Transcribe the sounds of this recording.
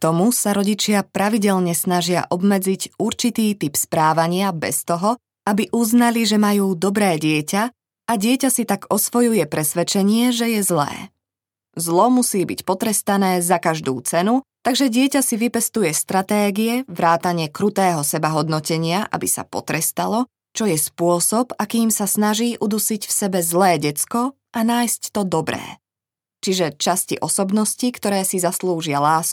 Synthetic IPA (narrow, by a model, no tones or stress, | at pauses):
t̪ɔmusaɾɔɟit͡ʃɪapɾaʋiɟɛʎɲɛsnaʒɪa̰ʔɔbmɛd͡ziɟuɾt͡ʃit̪iːt̪ipspɾaːʋaɲɪabɛst̪ɔɦɔ | abiʔuznaliʒɛmajuːd̪ɔbɾɛːɟɪɛca | aɟɪɛcasit̪aɡɔsʋɔjujɛpɾɛsʋɛt͡ʃɛɲɪɛʒɛjɛzlɛ̰ː | zlɔmusiːbicpɔt̪ɾɛst̪anɛːzakaʒd̪ṵːt͡sɛnut̪aɡʒɛɟɪɛcasiʋipɛst̪ujɛst̪ɾat̪ɛːɡijɛʋɾaːt̪aɲɪɛkɾut̪ɛːɦɔsɛbaɦɔd̪nɔcɛɲɪaʔa̰bisa̰pɔ̰t̪ɾɛst̪alɔ | t͡ʃɔjɛspʊɔsɔbakiːmsasnaʒiːʔud̪usicfsɛbɛzlɛːɟɛt͡skɔ | ʔanaːjsct̪ɔd̪ɔbɾɛ̰ː | t͡ʃiʒɛt͡ʃascḭʔɔsɔbnɔscikt̪ɔɾɛːsizasluːʒɪalaːsk